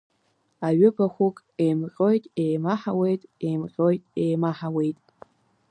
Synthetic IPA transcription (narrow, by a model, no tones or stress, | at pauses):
aɥʏbaχʷʊkʼejmqʲʼo̞jtʼejmaħawe̞jtʼejmqʲʼojtʼejmaħawe̞jtʼ